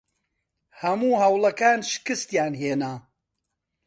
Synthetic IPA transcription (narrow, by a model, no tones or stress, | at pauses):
hɐmuːhɐwlɐkaːnʃkɨst̪jaːnheːna